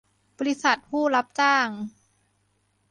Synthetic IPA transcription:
bɔː˧li˦˥sa˨˩t̪̚hʰuː˥˩la˦˥p̚t͡ɕaː˥˩ŋ

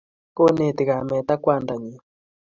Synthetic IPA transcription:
ko˦ne˨t̪i˨ɣa˨mɛ˨t̪a˦kwa˦˨nda˨ɲi˨

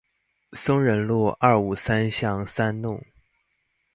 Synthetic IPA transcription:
sʊ˥ŋɻə˧˥nlwɔ˥˧ʔɐ˞˥˩u˨˩sa˥nɕjɑ˥˩ŋsa˥nnʊ˥˩ŋ

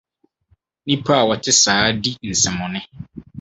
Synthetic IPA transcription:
nĩ˦pʰa˦a˨wɔ˨tʰɪ˦saː˨˦di˦n̩˨sɪ̃˨mʊ̃˨nɪ̃˦

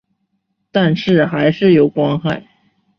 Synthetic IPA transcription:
t̪a˥˧nʂɻ̩˥˩xa˧˥ɪʂɻ̩˥˩jo˧˥ʊkwɑ˥ŋxa˥˩ɪ

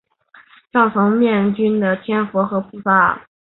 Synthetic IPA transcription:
ʂɑ˥˩ʊŋfʰʊ˧˥ŋmjɛ˥˩nt͡ɕy˥nd̪ə˨t̪ʰjɛ˥˩nfwɔ˧˥xɤ˧˥pʰu˥˩fa˥˩

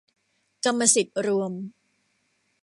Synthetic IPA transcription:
ka˧mːa˧si˨˩t̪̚ɾu˧əm

